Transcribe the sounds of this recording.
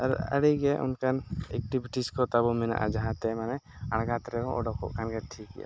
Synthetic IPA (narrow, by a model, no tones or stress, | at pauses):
aɾə̰ɽiɡɛʔunkanɛ̰k̚ʈibiʈiskɔt̪abɔmɛna̰ʔa̰d͡ʒaɦãt̪ɛmanɛ | aɽɡat̪ɾɛbɔʔɔɖɔkɔ̰ʔkanɡɛʈʰikḭja̰